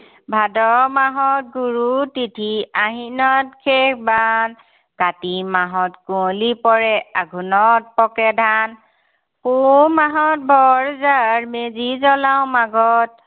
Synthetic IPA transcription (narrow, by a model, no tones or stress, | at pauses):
bʱadɔmaɦɔt̚ɡuɹutitʰiaɦinɔtkʰekʰban | katimaɦɔtkulipɔɹɛaɡʱunɔt̚pɔkɛdʱan | pumaɦɔt̚bʱɔɹzaɹmezizɔlawmaɡɔt